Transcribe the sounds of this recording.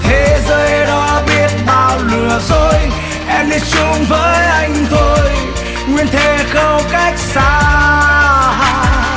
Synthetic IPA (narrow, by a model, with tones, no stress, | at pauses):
t̪ʰe˨˦zəː˧jɗɔ˧˦ɓi˦˧˩ət̚ɓaː˨˩wlɨ˨˩əzo˧j | ʔɛ˧mɗi˧˥t͡ɕʊ˧ŋ͡mvəː˨˦jʔa˧jŋ̟t̪ʰo˧j | ŋwi˧ənt̪ʰe˧˩xə˧wka˦˥jk̟̚saː˧ | a˧